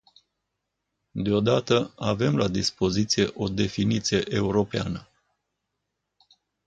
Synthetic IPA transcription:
d̪eo̞d̪at̪əave̞mlad̪ispo̞zit̪sije̞ʔo̞d̪e̞finit̪sije̞ʔeuɾo̞peanə

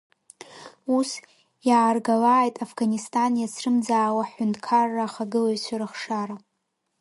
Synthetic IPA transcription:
us | jaːrɡalaːjtʼafɡanistʼanjasʰrɨmd͡zaːwaħʊntʰʼkʰarːaχaɡɨlaisʷʰaɾɨχʂaɾa

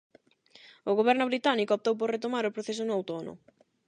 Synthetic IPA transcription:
ʊɣoβɛɾnʊβɾit̪anikoop̚t̪owp̬oɾret̪omaɾʊpɾoθes̬onoawt̪ono̰

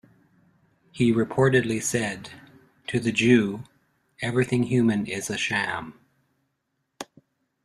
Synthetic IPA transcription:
hiɹɨpʰɔɹɾɨdˡlisɛd | tʰɨðɨd͡ʒʉ | ɛvɹiθɪ̃ŋjʉmɨ̃nɪzɨʃæ̃m

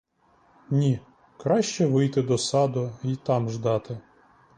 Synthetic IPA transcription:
nʲi | kɾɑʃt͡ʃɛʋɪjt̪ɪd̪ɔsɑd̪ʊit̪ɑmʒd̪ɑt̪ɪ

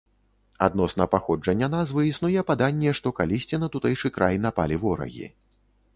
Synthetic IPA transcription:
a̰d̪nɔsnɐpaxɔd͡ʐɐnʲːɐnazvɨisnujɛpad̪anʲːɛʂt̪ɔkalʲisʲt͡sʲinɐt̪ut̪ɛjt͡ʂɨkɾʔajnapa̰lʲivɔɾɐ̰ɣʲḭ

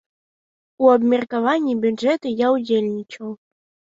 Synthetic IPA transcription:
uɐbmʲɛrkavanʲːibʲud͡ʐɛt̪ɨjawd͡zʲelʲnʲit͡ʂɐw

